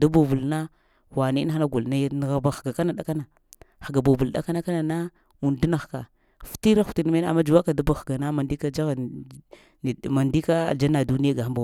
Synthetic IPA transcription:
da˦ba˨vu˨lna˦ | wa˨ni˦n˦a˦na˦ɡu˨lna˨˦jn˨ɣa˨ba˨xɡa˨ka˦na˨ɗa˦ka˦na˨ | xa˨ɡa˨ba˨bu˨lda˨ka˦na˦ka˦na˨na˦ | u˨n˨du˦na˨xka̰˨ | fti˦ɾa˦xu̥˨ti˨n˦ma˦n˦a̰˨mːa˦d͡ʒu˨wa˦ka˨da˦ba˨xɡa˨na˦ma˨ndi˦ka˦d͡ʒa˦ɣ | ma˨ndi˦ka˦˨d͡ʒa˦na˨du˦ni˦ja˦ɡa˨xa˦mba˨

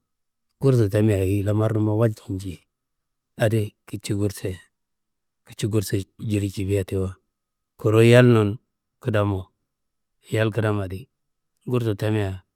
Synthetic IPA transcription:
ɡ̥u˦ɾs̬o˨ta˦mi˦ja˨ɡi˦la˦ma˦ɾnu˦ma˦wa˦d͡ʒt͡ʃi˨nd͡ʒi˨ | a˨di˦ki˦t͡ʃi˦ɡu˦ɾse˨ | ki̥˦t͡ʃi˦ɡu˦ɾse˨d͡ʒi˨ɾi˨t͡ʃi˨bi˦ja˨ti˦wa˦ | ku˨ɾo˦ja˦lno˨n | ki˦da˦mo˨ | ja˦lki˦da˦ma˨di˦ | ɡu˦ɾso˨ta˦mi˦ja˨

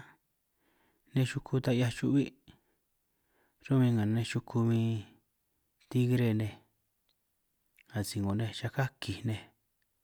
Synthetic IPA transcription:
nẽ˦˧ʃu˧kʰu˧t̪a˧i˧˦a˧t͡ʃṵ˧ʔβi˦ | ɾo˦mĩ˧ŋã˨nẽ˧ʃu˧kʰu˧mĩ˧ | t̪i˦ɣɾe˦˨nẽ˧ | a˨si˨ŋɡo˨nẽ˧ʃa˧ka˦ki˨nẽ˧

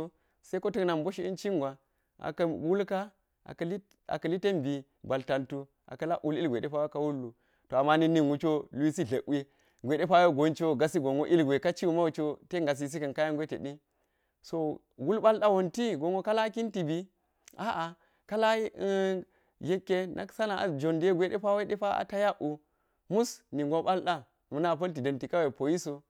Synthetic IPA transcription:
se˦ko˦ti˦kna˨mbo˦ʃi˦ḭ˦nt͡ʃi˦ŋɡʷwa˨ | ʔa̰˨kɐ˨wu˦lka˦ | a̰˨kli˦ | a̰˨kɐ˨li˦te˦mbi˨ | ba˨lta˨ntu˦ | ʔa̰˨kɐ˦la˦ʔu˦li˦ɡʷe˨de˦pa˦jo˦ka˦wu˦lːu˨ | to˨a˨ma˦ni˦ni˦nwu˦t͡ʃo˦lu˦i˦si˦ɮɐ˨ʔi˦ | ɡʷe˨ɗe˦pa˦jo˦ɡo˨˦nt͡ʃo˦ɡa˨si˦ɡo˨ŋo˦ʔi˦lɡʷe˨ka˦t͡ʃi˦wu˦ma˦wu˨t͡ʃo˦te˦ŋɡa˨s̬i˨s̬i˦kɐ˨nka˦ja˦ŋɡʷe˦tḛ˨ɗi˦ | so˨ | ɡu˦lɓa˦lɗa˦wo˨nti˦ɡo˨ŋo˦ka˦la˦ki˦nti˨bi˨ | a˦ʔa˨ | ka˦la˦i˦ | je˦kːe˦nʔa̰˦ksa˦na˨a̰˨d͡ʒo˨nde˦ɡʷe˨˦ɗe˦pa˦we˦ɗe˦pa˦a̰˨ta˦ja˦ʔu˨ | mu˦sni˨ŋɡo˦ɓa˦lɗa˦ | mu˨na˦˨p̬ɐ˦lt̬i˨dɐ˨nti˨ka˦we˨po˨ji˦so˨

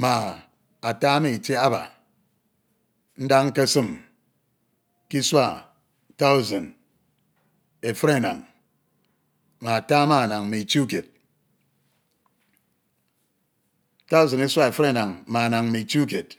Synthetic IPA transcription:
ma˨ | a˨ta˦me˦˨i˨t͡ʃe˦a˦ba̰˨ | n̩˦da˦ŋ̩˦ka˦sɨ˦˨m | ki˦swa˦˨ | ta˦u˦za˨n | e˨fɨ˦ɾe˦˨na̰˨ŋ | ma˨a˨ta˦ma˦˨na˨ŋ˨me˨i˨t͡ʃi˦u˦ke˨t̚ | ta˦u˦za˨ni˦sʷa˦e˨fɾe˦˨na˨ŋma˨a˨na˨ŋme˨i˨t͡ʃi˦u˦k̬e˨t̚

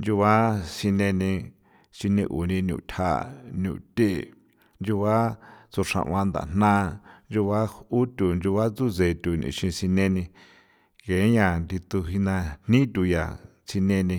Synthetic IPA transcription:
nd͡ʒu˧βa˦si˧nẽ˧nĩ˧ | si˧nĩ˧ʔṵ˨nĩ˧nṵ̃˨t̪ʲʰa̰˦˧˨nṵ̃˨t̪ʲe˦˨ | nd͡ʒu˧βa˦t͡su˧ʂã̰˧ʔw̃ã˧nd̪a̰˨n̥nã˦nd͡ʒu˧βa˦u˦t̪ʲu˨nd͡ʒu˧βa˦t͡su˦ze˧˨t̪u˨nḭ̃˧˨ʃĩ˧si˧nẽ˧nĩ˧ | ke˨˦ɲã˧˨nd̪i˧t̪u˧ɦi˧nã˧n̥nĩ˦t̪ʲu˧ja˨ | t͡si˧nẽ˧nĩ˧

